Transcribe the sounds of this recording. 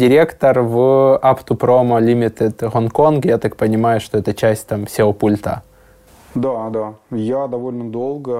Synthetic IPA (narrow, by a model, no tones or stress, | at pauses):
dʲɪɾʲekt̪ərvɨapt̪ʊpɾomɐlʲimʲɪt̪ɨt̪ɣonkonkjat̪ak̚pənʲɪmajʊʂt̪oɛt̪ət͡ɕæsʲtʲt̪amfsʲɪlˠpulʲt̪ə̰ | d̪ad̪ajad̪ɐvo̞lʲnəd̪olˠɡə